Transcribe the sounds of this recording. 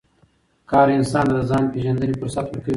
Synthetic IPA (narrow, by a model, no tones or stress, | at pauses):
kɑːɾɪnsɑːnd̪d̪azɑːnpeʒand̪ənefəɾsat̪wəɾkə